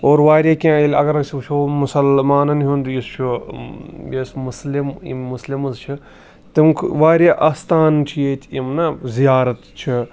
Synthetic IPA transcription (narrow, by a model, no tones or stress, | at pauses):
oːɾʋaːɾʲjaːkʲãːelʲɐɡɐɾsʲit͡ʃʰomʊsɐlmaːnɐnɦũnd̪ujist͡ʃʰu | jesmʊslim̰muslimɨzt͡ʃʰi | t̪imkʰʋaːɾjaʔɐst̪aːnt͡ʃʰijeːt̪ʲʰimnazijaːɾɐt̪t͡ʃʰi